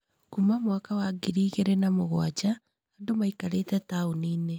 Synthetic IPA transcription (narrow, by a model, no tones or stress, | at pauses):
kumamwakawaɡiɾiːɣeɾenamoɣwad͡ʒaː | ndomaikaɾeːtɛtaoniːne